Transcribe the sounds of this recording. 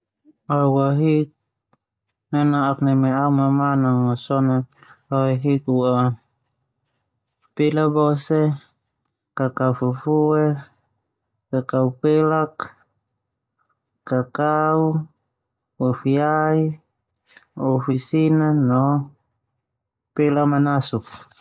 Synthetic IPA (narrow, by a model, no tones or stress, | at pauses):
awaɦik̚ | nanaaknɛmɛaumamanaŋasɔnaawaɦikua | pelabɔsɛ | kakaufufuɛ | kakaupelak | akau | ɔfiai | ɔfisinanɔ | pelamanasuk̚